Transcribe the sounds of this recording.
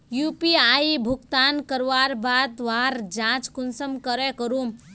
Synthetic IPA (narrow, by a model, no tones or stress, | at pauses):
jupiajbʱukt̪ankəɾʋaɾbad̪ʋaɾd͡ʒãt͡ʃkunsəmkəɾekəɾum